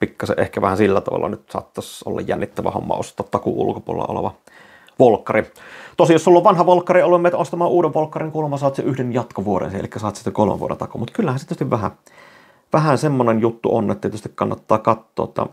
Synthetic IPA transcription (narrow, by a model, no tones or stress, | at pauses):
pikːɑsḛʔʔehkæʋæhænsilːæt̪ɑʋɑ̰lːɑnyt̪sɑ̰ːt̪ːɑso̰lːɑ̰jjænːit̪ːæʋæ̰ho̰mːɑ̰o̰st̪ˑɑːt̪t̪ɑkuṵlukopuolḛlɑ̰ʔo̰lḛʋɑ | ʋolkːɑrit̪osijosːulːoʋʋɑnhɑʋolkːɑriolːumːet̪ost̪ɑmɑːʔuːdeʋʋolkːɑriŋkulmːɑsɑt̪seʔyhdenjɑt̪koʋuoɾḛnseʔelikːæsɑːt̪sesekolmḛʋuo̰ʔḛnt̪ɑkomut̪kylːæhænset̪yøst̪iʋæhæ̰ | ʋæhænsemːonenjut̪ːuʔonːet̪ːæt̪yøst̪ikkɑnːɑt̪ːɑːkɑt̪ːo̰ːt̪ːɑ̰